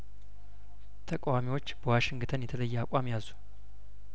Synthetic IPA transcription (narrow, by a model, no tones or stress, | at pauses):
t̪ʰəkʼawamiwo̞t͡ʃːbəwaʃɪŋɡɨt̪ʰənjɛt̪ʰələjːɛakʷʼamjazu